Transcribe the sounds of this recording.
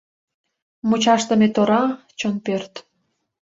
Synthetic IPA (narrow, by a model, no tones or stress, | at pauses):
mut͡ɕɑʃt̪ə̆met̪oɾɑ | t͡ɕonpørt̪